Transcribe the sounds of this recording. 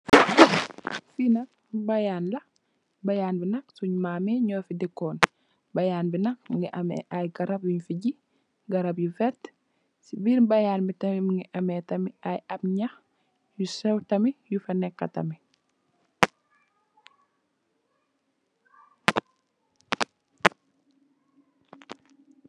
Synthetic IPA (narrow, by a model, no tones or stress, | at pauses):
finɐk̚ | bɐjaːnlɐ | bɐjaːnbinɐksuɲmaːmiɲɔːfidikːɔːn | bɐjaːnbinɐk̚miŋɡiʔɐmɛ̰ʔajɡɐɾɐbjuɲfiɟi | ɡɐɾɐbjufɛt | sibiɾbɐjaːnbitɐmimiŋɡiʔɐmɛtɐmiʔajʔɐbɲɐx | jusɛwtɐmijufɐnɛkːɐ̰tɐ̰mi